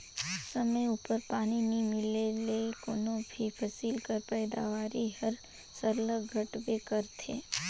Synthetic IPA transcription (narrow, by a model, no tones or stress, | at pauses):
sɐməjuːpəɾpaːninĩmɪlelekoːnõbʱipʰɐsiːlkəɾpɛːd̪a̰ʋaːɾiɦɐɾ | səɾləɡʱɐʈbekɐɾt̪ʰḛː